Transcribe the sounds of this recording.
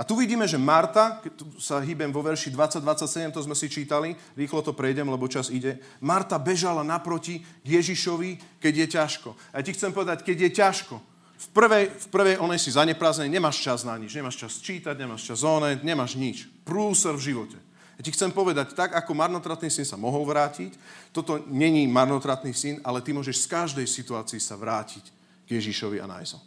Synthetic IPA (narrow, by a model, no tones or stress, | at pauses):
at̪uʋiɟiːmɛʒɛmaɾt̪akɛt̪usaɦiːbɛmʋɔʋɛɾʃid̪ʋat͡sːaɟ̚d̪ʋat͡sːacsɛɟɛmt̪ɔzmɛsit͡ʃiːt̪ali | ɾiːxlɔt̪ɔpɾɛjɟɛmlɛbɔt͡ʃaziɟɛ | maɾt̪abɛʒalanapɾɔciɡjɛʒiʃɔʋikɛɟjɛcaʃkɔ | ajacixt͡sɛmpɔʋɛd̪ackɛɟjɛcaʃkɔ | fpr̩ʋɛjfpr̩ʋɛjʔɔnɛjsizaɲɛpɾaːzɛnɛɲɛmaːʃt͡ʃaznaɲid͡ʒɲɛmaːʃt͡ʃast͡ʃiːt̪aɟɲɛmaːʃt͡ʃazɔːnɛt̪ɲɛmaːʒɲit͡ʃpɾuːsɛɾvʒiʋɔcɛ | jacixt͡sɛmpɔʋɛd̪act̪aɡakɔmaɾnɔt̪ɾat̪nisinsamɔɦɔlʋɾaːcict̪ɔt̪ɔɲɛɲimaɾnɔt̪ɾat̪nisinalɛt̪imʊɔʒɛʃskaʒd̪ɛjsit̪uaːt͡siisaʋɾaːcic | ɡjɛʒiʃɔʋia̰na̰jzɔ̰